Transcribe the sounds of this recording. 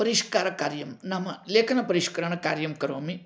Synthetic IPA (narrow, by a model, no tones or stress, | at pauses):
pɐɾiʃkaːɾɐkaːɾjɐmnaːmɐleːkʰɐnɐpɐɾiʃkɐɾɐɳɐkaːɾjɐmkɐɾʋo̰ːmi